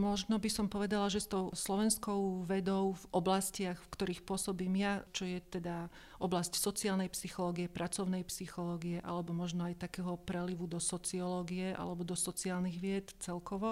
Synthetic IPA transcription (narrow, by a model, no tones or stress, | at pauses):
mɔʒnɔbisɔmpɔʋɛd̪alaʒɛst̪ɔʊslɔʋɛnskɔʊʋɛd̪ɔʊvɔblascɪaxfkt̪ɔɾiːxpʊɔsɔbiːmjat͡ʃɔjɛt̪ɛd̪a | ʔɔblascsɔt͡siaːlnɛjpsixɔlɔːɡiɛpɾʔat͡sɔʊnɛjpsixɔlɔːɡijɛʔa̰lɛbɔmɔʒnɔajt̪akɛːɦɔpɾɛliʋud̪ɔsɔt͡siɔlɔːɡiɛʔa̰lɛbɔd̪ɔsɔt͡siaːlniɣʋɪɛt̪t͡sɛlkɔʋɔ